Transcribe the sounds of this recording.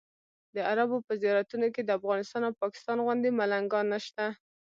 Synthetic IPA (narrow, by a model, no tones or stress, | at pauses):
d̪əaɾabopəzijɑɾat̪unoked̪əafɣɑnɪst̪ɑnawpɑkɪ̥st̪ɑnɣwʊnd̪imalaŋɡɑnəʃt̪a